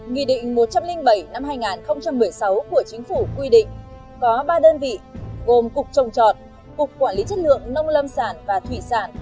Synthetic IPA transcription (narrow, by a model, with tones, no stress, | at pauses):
ŋḭ˧˨ɗḭ̈˧˨ŋ̟mo˨˩t̚t͡ɕa˧mlï˧ŋɓə˧˩jna˧mɦaː˧jŋaː˨˩nxə˧wŋ͡mt͡ɕa˧mːɨ˨˩əjsa˨˦wku˧˩ət͡ɕï˨˦ŋ̟fu˧˩kwi˧ɗḭ̈˧˨ŋ̟ | kɔ˨˦ɓaː˧ɗəː˧nvḭ˧˨ɣo˨˩mkʊ˨˩k͡p̚t͡ɕə˨˩wŋ͡mt͡ɕɔ˨˩t̚ | kʊ˨˩k͡p̚kːwaː˧˩nli˨˦t͡ɕə˦˥t̚lɨ̰˧˨əŋnə˧wŋ͡mlə˧msaː˧˩nvaː˨˩t̪ʰwi˧˩saː˧˩n